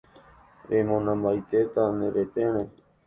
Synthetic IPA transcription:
ɾemõnãmbajt̪et̪anẽɾet̪ẽɾ̃ẽ

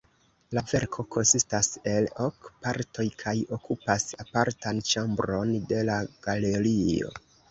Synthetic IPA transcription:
lave̞ɾkʰo̞kʰo̞nsistase̞lokpaɾto̞jkʰajo̞kupasapaɾtant͡ʃambɾo̞nde̞laɡ̥aleɾio̰

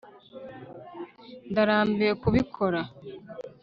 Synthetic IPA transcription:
ndaɾaːmbekuβikʰoɾa

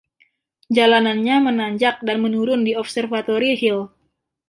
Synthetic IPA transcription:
d͡ʒalananɲamənaɲd͡ʒak̚danmənuɾʊndiɔpsərfat̪oɾiɦɪl

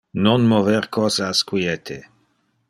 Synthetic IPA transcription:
nonmoveɾkʰɔzaskwiet̪ʰe

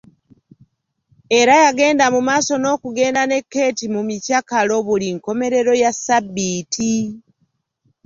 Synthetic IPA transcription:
e̞ɾajaɡe̞ːndamumaːso̞no̞ːkuɡe̞ːndane̞kːe̞ːtimumicakalo̞βuliŋko̞me̞ɾe̞ɾo̞jasabːiːtʰi

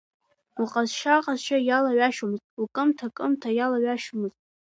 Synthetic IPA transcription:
uqʼazʃaqʼazʃajalaɥaʃumɨztʼukʼɨmtʰakʼɨmtʰajalaɥaʃumɨztʼ

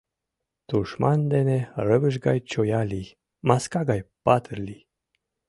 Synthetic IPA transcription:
t̪uʃmɑnd̪eneɾəvəʒɡɑjt͡ɕojali | maskaɡɑjpɑt̪ʰəɾli

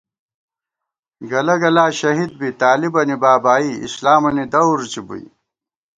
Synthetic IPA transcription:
ɡɐlɐɡɐlaːɕɐɦid̪̚bit̪aːlibɐnibaːbaːiḭslaːmɐnid̪ɐuɾt͡ɕibṵj

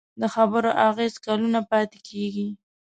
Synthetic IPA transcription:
d̪əxabəɾoʔaɣezkalunapɑt̪e̥kʰeɡi

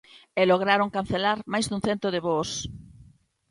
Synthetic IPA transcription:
eloɣ̞ɾaɾoŋkan̟θelaɾmajzðuŋ̟θent̪oðɪβos

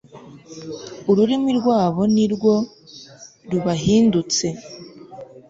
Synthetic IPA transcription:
uɾuɾimiɾɡwaːβo̞niɾɡwo̞ | ɾuβaɦiːndut͡se̞

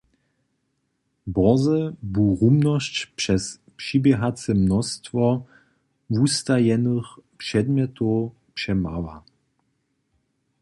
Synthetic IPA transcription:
bɔzəbuʁumnɔʃt͡ɕpʂɛs | pʂibjɛɦat͡səmnɔst̪vɔ | vust̪ajɛnəxpʂɛd̪mʲjɛt̪ʰo | pʂɛmava

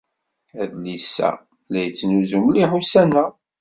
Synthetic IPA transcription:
æðlisːæ̰ | læjət͡sːnuzumliħusænæ

